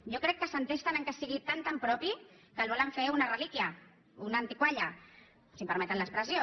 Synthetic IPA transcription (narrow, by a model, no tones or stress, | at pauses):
ʒokɾɛkːəsənt̪est̪anəŋkəsiɣit̪ant̪ampɾɔpi | kəlβɔləɱfeunarəlikjə | unant̪ikwaʎɐ | simpəɾmɛt̪ənləkspɾəzjo